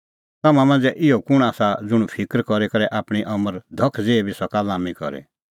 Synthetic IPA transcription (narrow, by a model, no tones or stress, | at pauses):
t̪amãmãːnd͡zɛʔɪɔkʊɽ̃aːsad͡zʊɽ̃pʰɪkɾkɔɾekɐɾɛʔaːpɽ̃iʔɐməɾd̪ʱɔkʰd͡zeːebʱisɔkalaːmikɔ̰ɾḛ